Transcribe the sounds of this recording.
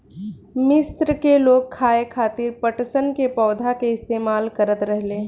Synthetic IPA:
mɪst̪ɾəkeloːɡ̚kʰːaːekʰaːt̪ɪɾpəʈsənkepɔːd̪ʱakeɪst̪eːmaːlkəɾət̪ɾɛɦlẽː

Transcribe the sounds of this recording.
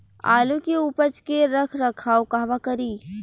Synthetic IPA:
a̰ːlukeupət͡ʃkeɾəkʰɾɐkʰaːokaɦʋakəɾiː

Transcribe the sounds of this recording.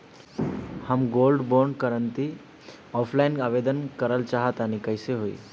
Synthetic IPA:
həmɡolɖboɾɳɖkəɾənt̪i | ɔːpʰlaɪnkaʋed̪ənkəɾəlt͡ʃaɦət̪anikəjseɦoḭː

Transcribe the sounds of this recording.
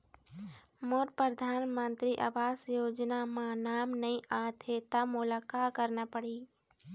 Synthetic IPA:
moːɾpɾəd̪ʱaːnmə̃nt̪ɾiʔaʋaːsjoːd͡ʒnamãnaːmnɐɦĩʔaːt̪ʰet̪amʊlaːkakəɾnapəɽiː

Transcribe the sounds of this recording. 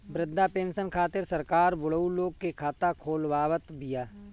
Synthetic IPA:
bɾɪd̪ːapẽːnʃənkʰaːt̪ɪɾsɐɾkaːɾbʊɽəuloːɡ̚kekʰaːt̪akʰoːlwaːwət̪bɪjaː

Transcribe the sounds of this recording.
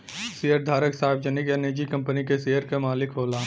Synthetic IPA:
sijəɾd̪ʱaːɾəksaːɪbd͡ʒənikeneːd͡ʒikɐ̃mpənikeseːjəɾkemaːlɪkɦoːlaː

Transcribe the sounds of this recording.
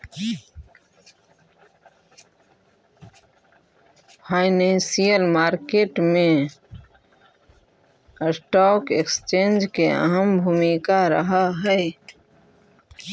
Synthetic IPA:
pʰaɪnẽnsijəlmaːɾkeʈmẽ | sʈɔkekst͡ʃẽnd͡ʒkeə̰ɦəmbʱumikaɾə̰ɦəɦəe

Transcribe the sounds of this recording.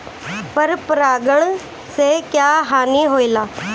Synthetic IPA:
pəɾpɾaːɡəɽ̃ | seːkjaːɦaːniɦoːiːlaː

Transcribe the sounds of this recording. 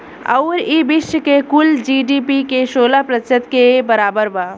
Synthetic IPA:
ə̰ʊɾibiʃjəkekuld͡ʒiɖipikeʃoːlapɾət͡ʃət̪kebəɾaːbəɾba

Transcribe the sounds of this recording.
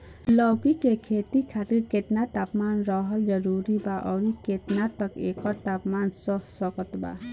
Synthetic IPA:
lɔkikekʰet̪ikʰat̪iɾket̪nat̪apmanɾɔɦəld͡ʒʌɾuɾibaʔɔːɾiket̪nat̪ʌkekɔt̪apmansɔɦsɔkɔt̪ba̰

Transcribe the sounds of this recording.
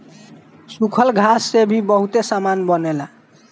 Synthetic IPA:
sukʰəlɡʱasːebʱibəɦut̪esamanbənela

